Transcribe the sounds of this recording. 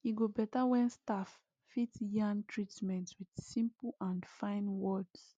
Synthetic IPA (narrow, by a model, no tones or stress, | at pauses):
iɡobɛtawɛ̃nstafː | itjãŋtʰɹitmɛ̃ntwid̥sĩmplãndfãɪ̃nwɔds